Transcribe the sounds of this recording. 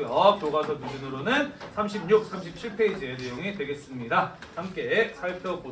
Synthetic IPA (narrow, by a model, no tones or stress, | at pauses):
jʌkjoɡasʰʌmud͡ʑunɯɾonɯnsʰamɕʰimɲuk̚s͈ʰamɕ̬ʰip̚ɕʰiɭpʰe̞id͡ʑienejoŋidwe̞ɡe̞s͈ɯmɲidahamk͈e̞sʰaɭt͈ʰʌk͈o